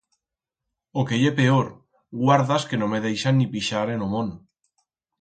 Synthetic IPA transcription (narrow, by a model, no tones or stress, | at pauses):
okeʎepeoɾ | ɣwaɾðaskenomeð̞ejʃanːipiʃaɾenomõn